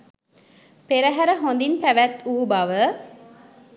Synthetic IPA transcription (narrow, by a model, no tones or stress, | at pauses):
peɾəɦæɾəɦond̪inpæʋæt̪uɦubɐʋə